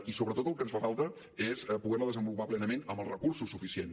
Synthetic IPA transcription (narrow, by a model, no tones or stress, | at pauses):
isoβɾət̪ot̪əlˠkənsfafalˠt̪ə | espuɣɛrləðəzəmbulupaplɛnəmenəmbəlˠzrəkursusːufisien